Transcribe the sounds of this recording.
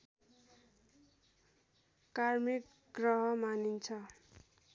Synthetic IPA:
karmik | ɡrʌɦʌmanint͡sʰʌ

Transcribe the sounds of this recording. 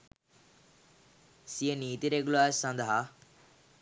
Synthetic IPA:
sijəniːt̪iɾeɡulaːssɐ̃nd̪əɦa

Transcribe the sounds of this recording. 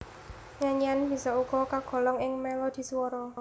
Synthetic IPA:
ɲaɲianb̥i̤sɔuɡ̥ɔ̤kaɡ̥ɔ̤lɔŋɪŋmɛlod̪̥i̤suwɔɾɔ

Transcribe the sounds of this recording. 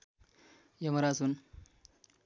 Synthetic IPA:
jəməɾasuːn

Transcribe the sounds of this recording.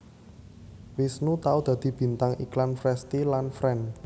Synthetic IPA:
wɪsnut̪aud̪̥ä̤d̪̥i̤b̥i̤nt̪aŋiklanfɾɛst̪ilanfɾɛn

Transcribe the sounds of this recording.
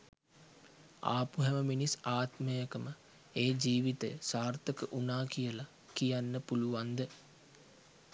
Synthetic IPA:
a̰ːpuɦɛməminisaːt̪məjəkəmə | eːd͡ʒiːʋit̪ə̰jəsaːrt̪əkəʔunaːkijəla | kijanːəpuluʋand̪ə

